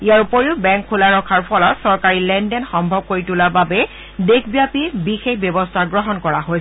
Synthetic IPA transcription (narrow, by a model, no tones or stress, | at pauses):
ijaɹupoɹeʊbɛŋkʰːulaɹɔkʰaɹpʰɔlɔtsɔɹkaɹilɛndɛnxɔmbʱɔb̚koɹitulababɛ | dekʰbijapibixexbjɔbɔstʰaɡɹɔɦɔnkɔɹaɦojsɛ